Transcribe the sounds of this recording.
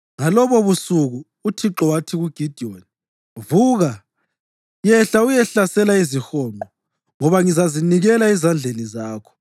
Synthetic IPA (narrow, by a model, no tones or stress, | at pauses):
ŋalɔβɔβusuɣuːtʰiǁɔwatʰiɣuɡ̥ʱid̥ʱioni | vuːɣa | jɛɬaujɛɬasɛlaizixɔːnʱɔ | ŋɔβaŋizaziniɣɛlaɛzand͡ɮʱenizaːkʰɔ̥